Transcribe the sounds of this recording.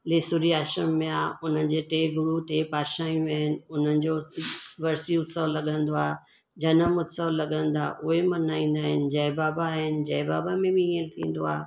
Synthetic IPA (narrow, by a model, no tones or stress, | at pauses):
leːsʊɾiaːʃəmːẽaːʊn̤ənɪ̆d͡ʑeːʈeːɡʊɾuʈeːpaːɾʃaːjũaːɦɪnɪ̆ʊn̤ənɪ̆d͡ʑoʋɐɾsiʊt̪səʋlːɐɠə̃nd̪oaː | d͡ʑɐnəmʊt̪səʋlːɐɠə̃nd̪a̰ːʔʊɦemɐnaːĩːn̆d̪aːɦɪnɪ̆d͡ʑɐːɪbaːbaɦɪnɪ̆d͡ʑɐːɪbaːbamẽbiĩːə̃lt̪ʰḭ̃ːn̆d̪oa̰ː